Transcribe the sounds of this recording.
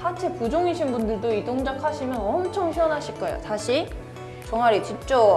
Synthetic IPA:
sat͡ɕʰe̞pud͡ʑoŋiɕʰinbundɯɭdoidoŋd͡ʑakʰaɕʰimjʌnʌmt͡ɕʰʌŋɕʰiʌnɦaɕʰiɭk͈ʌḛjo̰taɕʰi | t͡ɕʌŋaɾit͡ɕip̚t͡ɕ͈o

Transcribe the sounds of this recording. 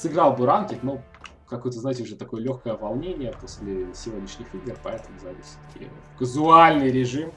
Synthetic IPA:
sɨɡɾɑlˠbɨɾantʲikno | kɐko̞jət̪əznajɪtʲɪʊʐɛt̪ɐko̞jəlʲoxkəjəvɐlˠnʲenʲɪjəpo̞sʲlʲɪsʲɪvʲo̞dʲnʲɪʂnʲɪxɨɡəpɐɛt̪əmʊzavʲḭsʲɪ̥t̪kʲʰɪ̰kəzʊalʲnɨjɾʲɪʐɨm

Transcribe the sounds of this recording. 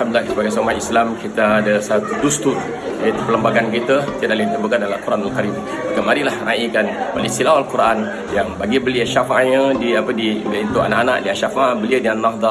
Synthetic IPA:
amd̪lilahsəbaɡajsumahislamkit̪aːdəsat̪udust̪ut̪ | at̪əpələmbaɡankit̪ət̪iad̪̚alint̪ərbukandalakuɾʔanalkaɾim | kəmaɾilahraʔikanba̰lisilawalkuɾʔan | jaŋbaɡibəliəʃafaʔɲə̃diapədiint̪oʔa̰naʔanaʔdiaʔʃafaaʔbəliədiannaɦd̪ɑ

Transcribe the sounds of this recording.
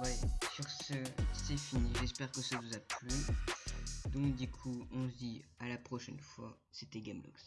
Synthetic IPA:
wɛsyʁsəsɛfiniʒɛspɛʁkəsavuzaply | d̪ɔ̃k̚d̪ykʰuɔ̃sd̪ialapχɔʃɛnfwa̰ | set̪ɛɡamlɔ̰ks

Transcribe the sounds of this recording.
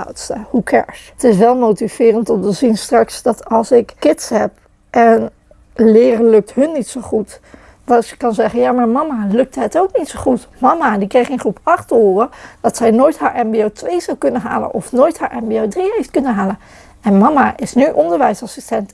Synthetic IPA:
a̰wtstəhukʰɛ̰ɹs | tɪsʋɛlˠmowtiv̥ɪːrəntɔmtəzinstrɑksdɑtɑlˠsɪkkːɪtsɦɛp | ʔɛn | lɪːrəlɵk̚tɦɵnːitsowχut | dɑtsə̥kɑnzɛχənjaːmaːɹmɑmalɵk̚tɦətowknitsoχutmɑmadikrejχə̃nχrupɑχtəoːrəd̥ɑtsɛjnoːjtɦaːɹʔɛmbiowtʋejzɑwkɵnəɦa̰ːlə̰nʔɔfnoːjtɦaːɹʔɛmbiowdriɦejftkɵnənɦaːlən | ɛnmɑmaʔɪsnyʔɔndəɹʋɛjsɑsistɛnt

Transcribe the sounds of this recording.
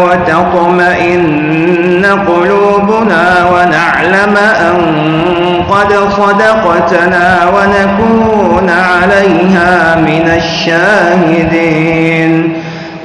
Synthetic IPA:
wat̪ɑq | maʔɪnː | aqʊluːbʊnaːwanaʕlamaʔaŋ | qɑd̪ | sˤɑd̪ɑqɑt̪ | naː | wanakuːnʕalajɦaːmɪnaʃːaːhɪd̪iːn

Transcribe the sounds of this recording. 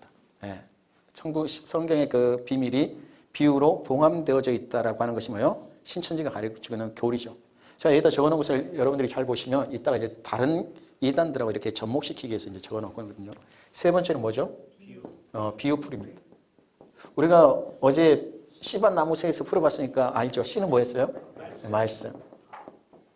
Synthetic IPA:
je̞ | t͡ɕʰʌŋbu̥sʰʌŋɡjʌŋe̞kɯpimiɾi | piuɾopoŋɦamdeʌd͡ʑʌit̚t͈aɾaɡohanɯnɡʌɕʰimʌjoɕʰint͡ɕʰʌnd͡ʑiɡakaɾikot͡ɕiɡɯnjʌnkjoɾid͡ʑo | t͡ɕeajʌɡit͈ʰt͡ɕʌɡʌnʌŋɡʌsʰɯɭjʌɾʌbundɯɾit͡ɕaɭboɕʰimjʌnit͈aɾaiɲd͡ʑetaɾɯnidandɯɾaɡoiɾʌkʰe̞t͡ɕʌmmok̚ɕ͈ikʰiɡeesʰʌind͡ʑe̞t͡ɕʌɡʌnʌk͈ɯnɯnɡʌdɯɲo | sʰe̞bʌnt͡ɕ͈ʰeɾomwʌd͡ʑo | ʌpiupʰuɾimɲid̥ḁ | uɾiɡaʌd͡ʑe̞ | ɕʰibanːamusʰeesʰʌpʰuɾʌbas͈ɯɲik͈aʔaɭd͡ʑoɕ͈inɯnmwʌɦes͈ʌjomas͈ɯ̰m

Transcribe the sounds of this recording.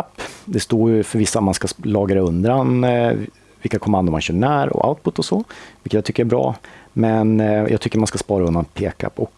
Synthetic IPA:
apːd̪ɛst̪oːɾjɵfœɾvɪsːamanskalɑːɡɾaɵnd̪ɾan | vɪlkːakʰɔmand̪ʊɾmanɕœːɳæːɾɔ̰ʔa̰ʊt̪̚pʊt̪ːɔsɔvɪlkːət̪jat̪ʏkːəjɛɾbɾɑ̰ːmɛnjʔɑ̰ɡt̪ʏkːəmanskaspɑːɾaɵnd̪anpʰeːka̰pːɔk

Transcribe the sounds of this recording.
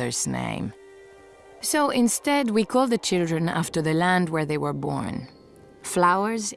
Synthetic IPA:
ə˞z̥nḛ̃ɪ̃m | soʊʔɪ̃nstɛd̚wikʰɔlˠd̪̚ðɨt͡ʃʰɪlˠdɹɨ̃næ̰ftə˞ðɨlæ̃nd̚wə˞ðeɪwə˞bɔ̰ɹn | flaʊə˞z

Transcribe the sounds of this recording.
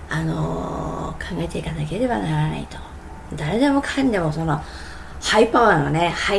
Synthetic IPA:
ano̰ | kʰãŋɡae̞t̪e̞ikanake̞ɾe̞βanaɾana̰ḭt̪o̥ | d̪aɾe̞d̪e̞mo̞kʰãnd̪e̞mo̞so̞no̞ | haipoãane̞ha

